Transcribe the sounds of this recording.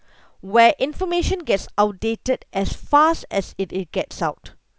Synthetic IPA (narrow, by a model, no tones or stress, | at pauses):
wɛʔɪ̃nfɔmeʃə̃nɡɛtsaʊt̚detədʔɛsfastɛsɪt̚ɡ̥ɛtsaʊt